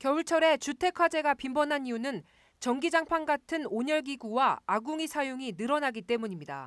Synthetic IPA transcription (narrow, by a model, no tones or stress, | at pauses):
kjʌuɭt͡ɕʰʌɾe̞t͡ɕutʰe̞kʰwad͡ʑe̞ɡapimbʌnɦanijunɯn | t͡ɕʌŋɡid͡ʑaŋpʰaŋɡatʰɯnoɲʌɭɡiɡuwaaɡuŋisʰajoŋinɯɾʌnaɡit͈e̞muɲimɲida̰